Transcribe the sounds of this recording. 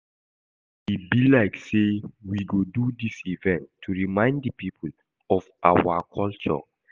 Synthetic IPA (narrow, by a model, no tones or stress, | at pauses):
ibilaɪksewiɡodudisivɛ̃ntʰːuɹimãɪ̃nddəpipʰul | ɔvʔa̰wakʰɔlt͡ʃɔ̰